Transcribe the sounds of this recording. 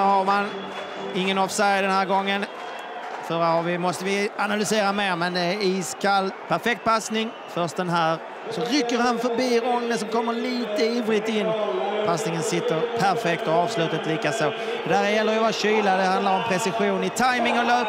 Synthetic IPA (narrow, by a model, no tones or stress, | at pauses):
haɾman | ɪŋːənɔːvsɛjd̪ɛnhæːɾɡɔŋːən | fœːɾahaɾvɪmɔst̪əvɪanalʏseːɾameːɾmɛnd̪ɛæɾiːskʰalːpʰæɾfɛk̚t̪̚pʰasnɪŋ | fœʂtd̪ɛnɦæːɾ | sɔɾʏkːəɾhanfœɾbiːɾɔŋnənsɔmkʰɔmːəɭiːt̪əiːvɾɪt̪ɪnːpʰasnɪŋənsɪt̪ːəɾpʰæɾfɛk̚t̪ɔɑːvslʉ̟ːt̪at̪liːkasoː | d̪æːɾjɛlːəɾjvaɕyːlad̪ɛhand̪laɾɔmpʰɾɛsɪɧuːnɪt̪ʰajmɪŋɔløːp